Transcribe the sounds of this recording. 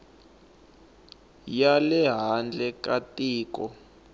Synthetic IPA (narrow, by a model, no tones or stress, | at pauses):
jalɛɦand͡ɮʱɛkʼatʼiːk̬ʼɔ